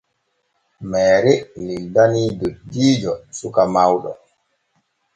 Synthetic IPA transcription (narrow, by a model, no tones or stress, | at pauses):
mɛːɾɛnidaniːdoɗiːd͡ʒɔsukamawɗɔ̰